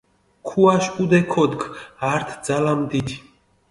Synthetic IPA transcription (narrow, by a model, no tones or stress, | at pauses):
kʰuaʃud̪ɛkʰɔd̪ɡaɾt̪ʰd̪zalamd̪it̪ʰi̥